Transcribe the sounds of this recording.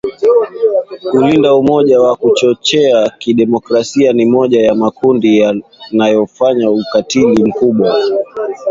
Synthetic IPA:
kulindaumɔʄawakut͡ʃɔt͡ʃɛakiɗɛmɔkɾasianimɔʄajamakundijanajɔfaɲaukatilim̩kuɓwa

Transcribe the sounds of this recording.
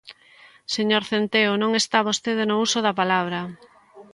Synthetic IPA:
seɲoɾθent̪eonõŋest̪aβost̪eðenousoðapalaβ̞ɾɐ

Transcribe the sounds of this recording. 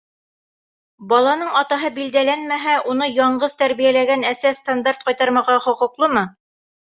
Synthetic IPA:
bɑlˠɑnɤɴɑt̪ɑɦɤbild̪ælænmæɦæʔunɤjɑɴɢɤðt̪æɾβijælæɡænæsæst̪and̪art̪̚qɑjt̪ɑɾmɑʁɑχŏqŭqlˠɤmɤ

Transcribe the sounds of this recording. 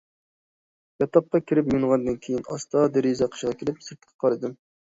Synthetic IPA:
jɑt̪ʰɑp̚qːɑkʲʰiɾɪpmuɴʁɑnd̪ɨnkʲʰejinɑ̰st̪ɑd̪eɾizɑqʰə̥ʃʁɑkʲiɾɪpsɨɾt̪qʰə̥qʰɑɾɨd̪ɨm

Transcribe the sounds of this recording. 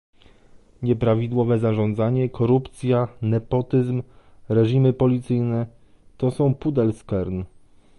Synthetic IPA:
ɲɛpɾavʲid̪wɔvɛzaʐɔ̃nd̪zaɲɛkʰɔɾupt̪sʲjanɛpɔt̪ɘzm | ɾɛʐimɘpɔlʲit̪sɘjnɛ | t̪ɔsɔ̃w̃pud̪ɛlskɛɾn

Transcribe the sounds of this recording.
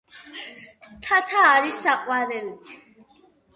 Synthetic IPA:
t̪ʰat̪ʰaːɾisaqʼwaɾɛli

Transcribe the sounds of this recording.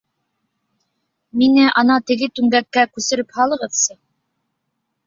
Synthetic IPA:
minɘʔɑnɑt̪ɘ̆ɡɘt̪ʉŋɡækːækʉsɘ̆ɾɘphɑlˠɤ̆ʁɤðsɤ

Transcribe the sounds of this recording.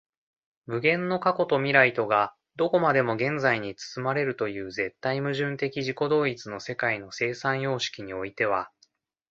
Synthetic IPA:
mɯ̟ɡẽ̞nːo̞kako̞t̪o̞mʲiɾait̪o̞ɡa | d̪o̞ko̞mad̪e̞mo̞ɡẽ̞nd͡zaiɲ̟it͡sɨ̥sɨmaɾe̞ɾɯ̟t̪o̞jɯ̟ːze̞t̪ːaimɯ̟ʑɨ̃nt̪e̞kʲiʑiko̞d̪o̞ːit͡sɨno̞se̞kaino̞se̞ːsãɰ̃jo̞ːɕi̥kʲiɲ̟io̞it̪e̞β̞a

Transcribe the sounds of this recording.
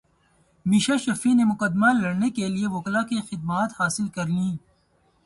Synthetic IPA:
miːʃaʃɐfinemʊkəd̪malɐɽnekelieʋʊːklakexɪd̪̚maːt̪haːsɪlkɐɾlĩː

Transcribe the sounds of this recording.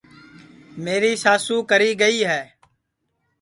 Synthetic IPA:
meːɾiːsaːsũːkəɾiːɡəiːɦɛː

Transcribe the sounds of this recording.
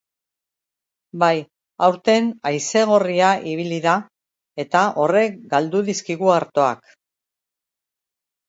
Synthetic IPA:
baj | awɾt̪e̞najse̞ɣ̞oriaʔiβ̞iliða | e̞t̪aʔo̞re̞kɡald̪uðiskiɣuaɾt̪o̞a̰k

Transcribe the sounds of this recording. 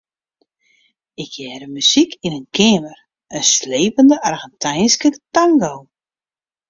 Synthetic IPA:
ɪkʰjɛːɾəmysikʰinənkʰɪːmər | ənsleːpəndəʔarɣɛntʰɛjnskətaŋɡow

